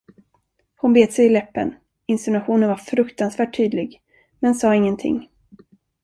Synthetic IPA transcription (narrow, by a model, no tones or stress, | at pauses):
hʊnbeːd̪sɛjɪlɛpːə̰n | ɪnst̪ʊnaɧuːnənvaɾfɾɵkt̪ansvæːʈʰːyːd̪lɪɡ | mɛnsɑːɪŋːənt̪ʰɪ̰ŋː